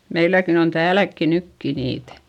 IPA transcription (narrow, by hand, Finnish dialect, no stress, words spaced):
meilækin on tæːlækːi nykːi niːtæ̥